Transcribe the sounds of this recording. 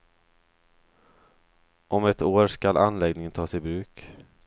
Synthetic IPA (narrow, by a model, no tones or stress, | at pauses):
ʔɔmɛt̪oːɾʂkalʔanlɛɡnɪŋənt̪ʰɑːsɪbɾʉ̟ːk